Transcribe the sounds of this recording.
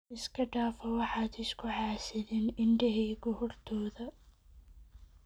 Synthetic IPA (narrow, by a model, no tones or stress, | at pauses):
ɪskʰɐɖaːfɔwɑħɑːd̪ɪskʰʊħɑːsɪðɪnɪɳɖɛɦiːɡɔhʊrt̪ʰɔːðɐ